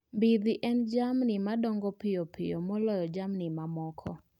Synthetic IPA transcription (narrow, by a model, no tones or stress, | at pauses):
mbid̪ɪʔɛnd͡ʒamnɪmadɔŋɡɔpɪjɔpɪ̰jɔmɔlɔjɔd͡ʒamnɪmamɔkʰɔ